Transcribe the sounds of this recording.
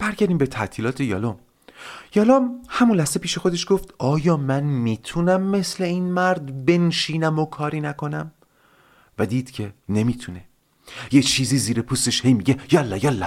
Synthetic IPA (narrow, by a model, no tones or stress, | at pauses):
b̥æɾɟæɾd̪iːmbet̪ʰæt̪ʰiːlɒːt̪ʰejɒːlɔm | jɒːlomhæmunlæhsze̞pʰiːʃe̞xod̪e̞ʃɡ̥o̞ft̪ɒːjɒːmænmiːt̪ʰunæmːe̞sle̞iːnmæɾd̪be̞nʃiːnæmokʰɒːɾiːnækʰo̞næm | væd̪iːd̪̥cʰe̞ne̞miːt̪ʰune̞ | jet͡ʃʰiːziːziːɾepʰust̪eʃhe̞jmiːɟejɒlːɒjɒlːɒ